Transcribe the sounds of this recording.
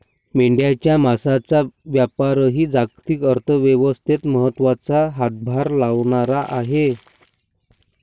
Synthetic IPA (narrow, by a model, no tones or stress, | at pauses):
miɳɖijat͡ɕjamasat͡saʋjapaɾəɦiːd͡zaɡt̪iːkəɾt̪ʰəʋjeʋəst̪ʰet̪məɦət̪ːʋat͡saɦat̪̚bʱaɾlaʋɳaɾaʔaɦe